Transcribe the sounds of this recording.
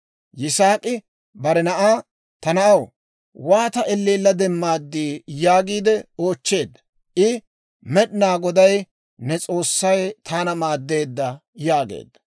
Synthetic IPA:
jɪsaːkʼɪ | bɐɾɛnɐʔaː | t̪ɐnɐʔɐw | waːt̪ɐʔɛlːiːlːɐd̪ɛmːaːd̪ːiːjaːɡiːd̪ɛo̞ːt͡ʃːe̞ːd̪ːɐ̥ | ʔɪ | mɛɗɪnaːɡɔd̪ɐj | nɛt͡sʼo̞ːsːɐjt̪ʰaːnɐmaːd̪ːe̞ːd̪ːɐjaːɡḛːd̪ːɐ̥

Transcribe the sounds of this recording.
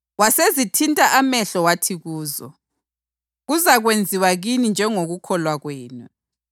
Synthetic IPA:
wasezitʰintʼaʔamɛɬɔwatʰiɣuːzɔ̰ | ɣuzaɣwend͡zʱiwaɣinind͡ʒʱɛŋoɣukʰɔlwaɣweːnu

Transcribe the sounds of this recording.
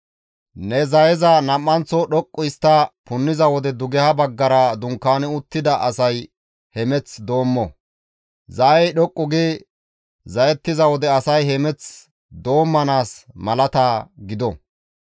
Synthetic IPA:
nɛzɐjɛzɐnɐmːɐnt͡sɔɗɔkʼːʊɪst̪ːɐpʊnːɪzɐwɔd̪ɛd̪ʊɡɛhɐbɐɡːɐɾɐd̪ʊŋkːaːnɪʊt̪ːɪd̪ɐʔɐsɐj | hɛmɛt͡sd̪o̞ːmːɔ | zɐɛjɗɔkʼːʊɡɛ | zɐjɛt̪ːɪzɐwɔd̪ɛɐsɐjhɛmɛt͡s | d̪o̞ːmːɐnaːsmɐlɐt̪aːɡɪd̪ɔ

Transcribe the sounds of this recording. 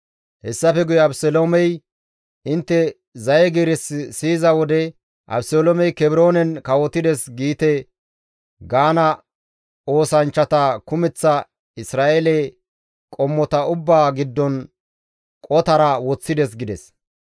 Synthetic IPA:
hɛsːɐfɛɡʊjɛɐbsɔlomɛj | ɪnt̪ːɛ | zɐjɛɡiːɾɛssiːzɐwɔd̪ɛ | ʔɐ̰bsɔlomɛjkɛbɪɾo̞ːnɛnkɐwɔt̪ɪd̪ɛsɡiːt̪ɛ | ɡaːnɐ | o̞ːsɐnt͡ʃːɐt̪ɐkʊmɛt͡sːɐ | ɪsɾaːʔelɛ | kʼɔmːɔt̪ɐʊbːaːɡɪd̪ːɔn | kʼɔt̪ɐɾɐwɔt͡sːɪd̪ɛs̬ɡɪd̪ɛs

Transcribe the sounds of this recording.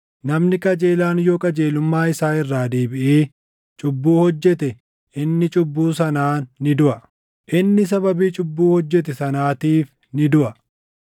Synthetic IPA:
nɐmnɪkʼɐd͡ʒe̞ːlaːnjo̞ːkʼɐd͡ʒe̞ːlʊmːaːɪsaːɪrːaːd̪eːbɪʔeː | t͡ʃʼʊbːuːhɔd͡ʒːɛt̪ɛ | ʔɪnːɪt͡ʃʼʊbːuːsɐnaːnːɪd̪ʊʔɐ | ʔɪnːɪs̬ɐbɐbiːt͡ʃʼʊbːuːhɔd͡ʒːɛt̪̬ɛsɐnaːt̪iːf | nɪd̪ʊʔɐ

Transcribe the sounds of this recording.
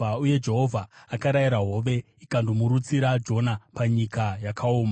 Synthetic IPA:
auje̞d͡ʒe̞ɦo̞vʱaːkaɾajiɾaɦo̞ʋe̞ | ikandumuɾut͡siɾad͡ʒo̞napaɲikajakʰaoːma

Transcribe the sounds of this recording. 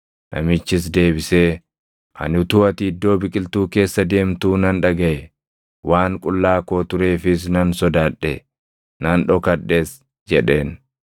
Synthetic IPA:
nʔɐ̰mɪt͡ʃːɪs̬d̪e̞ːbɪseː | ʔɐ̰nʊt̪uːɐt̪ɪːd̪ːo̞ːbɪkʼɪlt̪uːke̞ːsːɐd̪e̞ːmt̪uːnɐnᶑɐɡɐʔɛ | wʔaːŋkʼʊlːaːko̞ːt̪ʊɾe̞ːfɪs̬nɐnsɔd̪aːᶑɛ̰ | nɐnᶑɔkɐᶑe̞ːs | d͡ʒɛᶑe̞ːn

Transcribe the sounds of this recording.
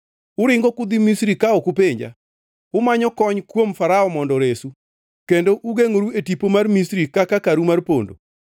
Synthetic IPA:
ʊɾɪŋɡɔkʊd̪imisɾikaɔkupeɲd͡ʒa̰ | ʊmaɲɔkɔɲkwomfaɾaɔmɔndɔɾesu | kendoʔuɡeŋoɾuetipomarmisɾikakakaɾumarpo̰ndo̰

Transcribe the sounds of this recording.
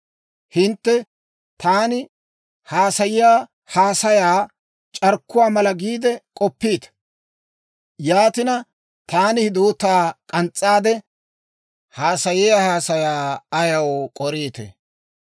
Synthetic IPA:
hɪnt̪ːɛ | t̪aːnɪ | haːsɐjɪjaː | haːsɐjaː | t͡ʃʼɐɾkːʊwaːmɐlɐɡiːd̪ɛkʼɔpːiːt̪ɐ̥ | jaːt̪ɪnɐ | t̪aːnɪhɪd̪uːt̪aːkʼɐnt͡sʼːaːd̪ɛ | haːsɐjɪjaːhaːsɐjaːɐjɐwkʼɔɾiːt̪ɛ̰

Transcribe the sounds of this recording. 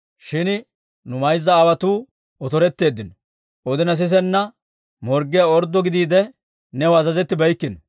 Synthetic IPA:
ʃɪn | nʊmɐjzːɐːwɐt̪uː | ɔt̪ɔɾɛt̪ːe̞ːd̪ːɪnɔ | ɔd̪ɪnɐs̬ɪs̬ɛnːɐ | mɔɾɡːɪjɐɔɾd̪ːɔɡɪd̪iːd̪ɛ | nɛwɐzɐzɛt̪ːɪbɐjkːɪn

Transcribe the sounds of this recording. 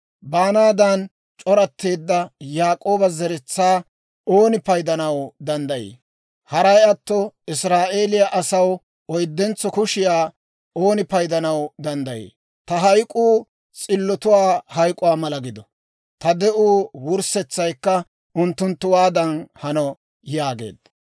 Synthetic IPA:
baːnaːd̪ɐn | t͡ʃʼɔɾɐt̪ːe̞ːd̪ːɐjaːkʼo̞ːbɐzɛɾɛt͡sːaː | oːnɪpɐjd̪ɐnɐwd̪ɐnd̪ɐjḛː | hɐɾɐjɐt̪ːɔɪsɾaːʔe̞ːlɪjɐʔɐsɐw | ɔjd̪ːɛnt͡sːɔkʊʃɪjaː | oːnɪpɐjd̪ɐnɐwd̪ɐnd̪ɐjḛː | t̪ɐɦɐjkʼuː | t͡sʼɪlːɔt̪ʊwaːhɐjkʼʊwaːmɐlɐɡɪd̪ɔ | t̪ɐd̪ɛʔuːwʊɾsɛt͡sːɐjkːɐ | ʊnt̪ːʊnt̪ːʊwaːd̪ɐnhɐnɔ | jaːɡe̞̰ːd̪ɐ

